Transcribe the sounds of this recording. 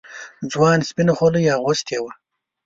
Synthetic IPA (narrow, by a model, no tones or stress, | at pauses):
d͡zwɑːnspinoχolujɑːʁost̪jewa